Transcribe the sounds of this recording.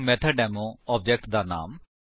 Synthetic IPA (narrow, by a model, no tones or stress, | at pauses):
mɛt̪ʰaɖɛːmoɔːp̚d͡ʒɛk̚ʈ̚d̪aːna̰ːm